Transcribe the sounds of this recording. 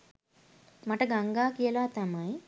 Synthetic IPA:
mɐʈɐɡɐŋɡaːkiɐlaːt̪amaj

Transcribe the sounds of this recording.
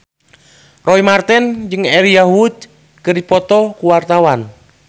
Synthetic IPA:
rɔimart̪ɛnd͡ʒɨŋɛɾijaɦud̪̚ | kɨɾipɔt̪ɔkuwart̪awan

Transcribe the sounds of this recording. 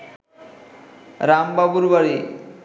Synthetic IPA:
ɾambabuɾbaɽi

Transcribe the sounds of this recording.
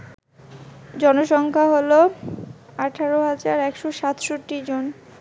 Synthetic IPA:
d͡ʑɔnoʃɔŋkʰaɦolo | aʈʰaɾoɦad͡ʑaɾɛkʃoʃat̪ʃoʈːid͡ʑon

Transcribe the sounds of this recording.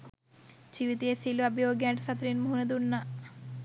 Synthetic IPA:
d͡ʒiʋit̪ejesiluɐbijoːɡjaːʈsɐt̪ɾinmuɦunɐd̪unːɐ

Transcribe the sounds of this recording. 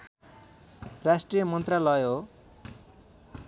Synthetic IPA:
rasʈrijʌmʌnt̪ralʌjo

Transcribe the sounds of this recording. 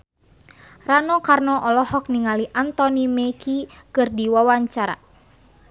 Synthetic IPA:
ranɔkarnɔʔɔlɔhɔk̚niŋaliʔant̪ɔnimɛkʰikɨrdiwawaɲt͡ʃaɾa̰

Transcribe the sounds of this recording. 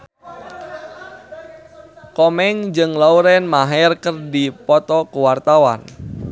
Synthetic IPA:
kɔmɛŋd͡ʒɨŋlauɾɛnmaɦɛrkərdipɔt̪ɔkuwart̪awa̰n

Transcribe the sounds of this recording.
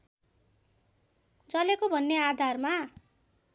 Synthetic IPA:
d͡zʌlekobʱʌnːead̪ʱarma

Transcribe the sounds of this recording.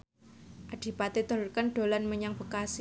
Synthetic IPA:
ʔad̪̥i̤pat̪et̪əɾʊrkanɖ̪̥o̤lanməɲaŋb̥əkas

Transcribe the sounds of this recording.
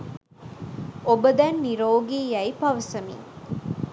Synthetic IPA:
ʔobəd̪ɛnːiɾoːɡiːjɐipɐʋɐsɐmḭ

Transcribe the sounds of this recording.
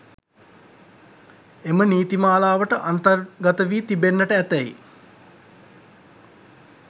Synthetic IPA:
eməniːt̪imaːlaːʋəʈəʔant̪ərɡat̪əʋiːt̪ibenːəʈəæt̪æjḭ

